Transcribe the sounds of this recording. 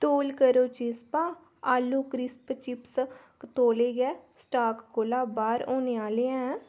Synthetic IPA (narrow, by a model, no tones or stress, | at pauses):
t̪oːlkəɾoːt͡ʃispãː | aːlːuːkɾɪspət͡ʃɪps | kət̪oːleːɡɛːsʈaːkkoːlaːbaːɾoːneːaːleːɛ̃ː